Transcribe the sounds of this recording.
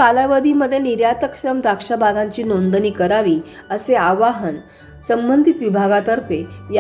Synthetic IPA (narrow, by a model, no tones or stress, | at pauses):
alaʋəd̪ʱiməd̪ʱːjeniɾjat̪əkɕɾəmd̪akʂabʱaɡãɲt͡ɕiːnond̪əniːkəɾaʋiː | əseaʋaɦən | səmbənd̪ʱit̪ʋibʱaɡat̪əɾfeja